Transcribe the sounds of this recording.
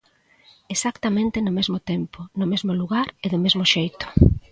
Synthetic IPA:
esakt̪amẽnt̪ɪnʊmezmot̪ɛmponʊmezmoluɣaɾeðomezmoʃejt̪o̥

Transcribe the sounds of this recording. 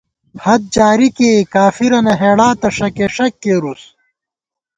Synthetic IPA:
hɐd̪̚d͡ʑaːɾikekaːfiɾɐnɐɦeːɽaːt̪ɐʂɐkeʂɐkːeːɾus

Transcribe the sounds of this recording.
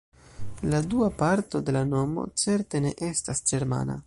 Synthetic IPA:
laduapaɾto̞d̪e̞lano̞mo̞̰t͡se̞ɾte̞ne̞ʔe̞stasd͡ʒe̞ɾma̰na̰

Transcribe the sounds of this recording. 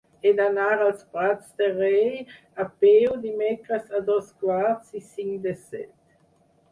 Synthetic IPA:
ed̪anaʁalspʁatt͡sd̪eʁɛj | apewd̪imɛkʁasad̪ɔskwaʁtsisiŋd̪esɛ̰t̪

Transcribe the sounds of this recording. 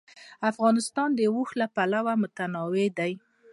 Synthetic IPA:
afɣɑnɪst̪ɑnd̪əwuxlapalawamʊt̪anɑwed̪aj

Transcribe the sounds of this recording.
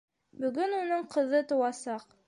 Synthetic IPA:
bɵ̆ɡɵnunɤɴqɤ̆ðɤt̪ŏwɑsɑq

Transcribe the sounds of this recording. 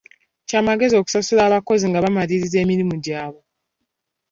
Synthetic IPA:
caːmaɡe̞zio̞ku̥sasulaːβako̞ziŋɡaβamaɾiɾize̞ːmiɾimuɟaːβo̞

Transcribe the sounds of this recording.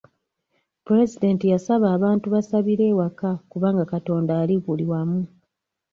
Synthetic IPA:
puɾe̞zide̞ːntijasaβaːβaːntuβasaβiɾe̞ːwakakuβaːŋɡakato̞ːndaːliβuliwamu

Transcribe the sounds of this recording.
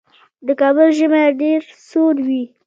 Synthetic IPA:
d̪əkɑbəlʒəmeɖeɾsoɾwi

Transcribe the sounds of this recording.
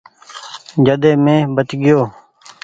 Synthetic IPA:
d͡ʒəd̪eːmẽːbət̪ɡɪjoː

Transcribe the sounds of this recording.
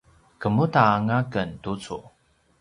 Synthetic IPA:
kəmutaːŋakəntut͡sṵ

